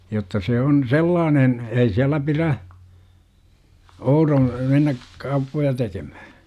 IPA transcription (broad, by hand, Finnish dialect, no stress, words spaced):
jotːɑ seː on selːɑːnen ei siælæ piræ ourõː menːæk kɑupːojɑ tekem̥æ̥hæ̥